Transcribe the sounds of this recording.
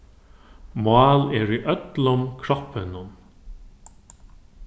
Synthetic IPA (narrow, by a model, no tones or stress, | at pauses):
mɑːlɛɹiʔœt̪lʊmkʰɾɔhpɪnʊn